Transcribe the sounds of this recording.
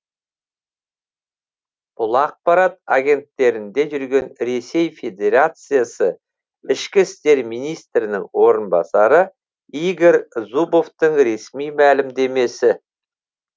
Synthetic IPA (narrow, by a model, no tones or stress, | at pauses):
b̥ʊlˠɑq̚pɑɾat̪̚aɡʲe̞nt̪ːe̞ɾɪnd̪e̞ʒʏɾɡʲe̞nɾe̞se̞jfʲe̞d̪ʲe̞ɾat̪sɨjasə | ɪʃkʲɪst̪e̞ɾmijnijst̪ɾɪnɪŋwo̞ɾənbɑsɑɾə | iɡe̞ɾzubo̞ft̪əɴɾe̞smijmælɪmd̪e̞me̞sɪ